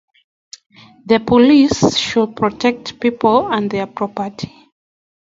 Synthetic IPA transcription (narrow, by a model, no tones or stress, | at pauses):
ðəpʰɔlisʃud̚pʰɹɔtʰɛk̚tpipʰələ̃nðɛpʰɹɔpətʰi̥